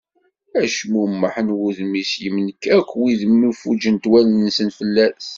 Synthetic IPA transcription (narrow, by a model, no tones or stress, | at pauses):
æʃmumːəħənwuðmːisjəmnəkːækʷːwiðəmːifud͡ʒənt̪wælənsənfəlːæs